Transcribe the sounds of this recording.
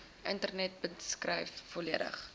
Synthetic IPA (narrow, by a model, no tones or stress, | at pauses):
ʔəntərnɛt̚bəskrəjffɔliədə̰χ